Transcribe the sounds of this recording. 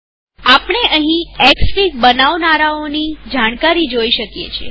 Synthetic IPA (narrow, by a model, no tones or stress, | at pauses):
apɳ̃eʔəɦĩɛksfik̚bənaʋnaɾaonid͡ʒaɽ̃kaɾid͡ʒoiʃəkjḛt͡ʃʰḛ